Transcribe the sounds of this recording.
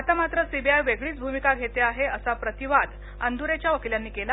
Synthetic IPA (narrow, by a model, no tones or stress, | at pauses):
at̪amat̪ɾəsibʱiajʋeɡɭiːt͡sbʱumikaɡʱet̪eaɦeəsapɾət̪iʋad̪ | ə̰nd̪uɾet͡ɕjaʋəkiljanːiːkela